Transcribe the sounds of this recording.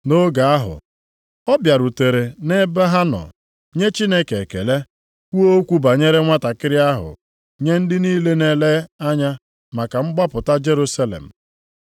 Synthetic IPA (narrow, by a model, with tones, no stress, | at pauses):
no˦ɡa˨a˦ɦʊ̰˨ | ɔ˦bja˨ɾu˨te˨ɾe˨ne˦ba˦ɦa˦nɔ̰˨ | ɲe˦t͡ʃi˦ne˦ke˨kḛ˨le˦ | kʷu˦o˦kʷu˦ba˨ɲe˦ɾe˦ŋʷa˦ta˨kɪ˦ɾɪ˦a˦ɦʊ̰˨ | ɲe˦n̩˦dɪ˦niː˦le˦ne˦le˦a˦ɲa˦ | ma˨ka˨ŋ͡m̩˦ɡ͡ba˦pʊ˨ta˦d͡ʒe˦ɾu˦sa˦lḛ˨m̩˨